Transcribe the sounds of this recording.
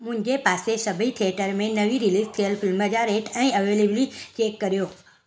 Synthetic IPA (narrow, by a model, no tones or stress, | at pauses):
mʊ̃ɲd͡ʒepasesəbʱit̪ʰiəʈəɾmẽnəʋiɾilist̪ʰijəlfʰɪlməd͡ʒaɾeʈɛ̃ĩəʋeleblit͡ʃekːəɾjo